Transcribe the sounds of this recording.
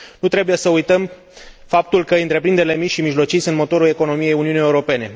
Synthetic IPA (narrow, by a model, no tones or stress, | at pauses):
nut̪ɾe̞buje̞səujt̪əm | fap̚t̪ulkəɨnt̪ɾe̞pɾind̪e̞ɾile̞mit͡ʃʲʃimiʒlo̞t͡ʃisunt̪mo̞t̪o̞ɾule̞ko̞no̞mije̞juniunije̞uɾo̞pe̞ne̞